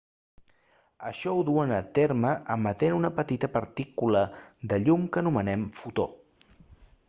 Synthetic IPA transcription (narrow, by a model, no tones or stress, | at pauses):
əʃɔuðuənət̪eɾməʔəmət̪enunəpət̪it̪əpəɾt̪ikuləðəʎumkənumənɛmfut̪o̰